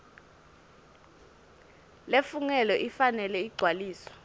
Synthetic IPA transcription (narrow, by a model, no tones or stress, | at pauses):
lefuŋɛlɔʔifanɛlɛiɡ͡ǀʱwaliːsɔ̥